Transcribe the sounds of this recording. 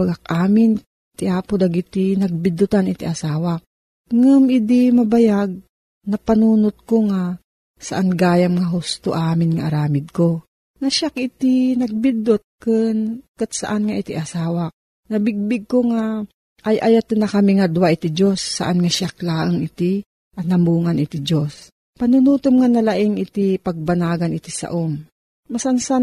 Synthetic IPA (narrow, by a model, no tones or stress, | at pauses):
ɡak̚ʔaːmɪn | t̪ɪʔaːpod̪ɐɡɪt̪ɪnɐɡ̚bɪd̪ʊt̪anɪt̪iʔɐsaːwa | ŋɨmʔɪd̪ɪmɐbajaɡ̚ | nɐpɐnuːnot̪̚koŋa | sɐʔanɡaːjamŋaɦʊst̪oʔaːmɪnŋaʔɐɾaːmɪd̪̚ko | nɐʃakʔɪt̪ɪnɐɡ̚bɪd̪ot̪̚kɨnkɨt̪̚sɐʔanŋaʔɪt̪iʔɐsaːwa | nɐbɪɡ̚bɪɡ̚koŋa | ʔːjʔɐjat̪ɨnɐkɐmiŋɐd̪ʊwaʔɪt̪id͡ʒo̞sːɐ̰ʔanŋaʃak̚laːʔəŋɪt̪ɪ | ʔɐnɐmuːŋanɪt̪id͡ʒos | pɐnunuːt̪omŋanɐlaʔɪŋʔɪt̪ɪpɐɡ̚banaːɡɐnɪt̪isɐ̰ʔom | mɐsansan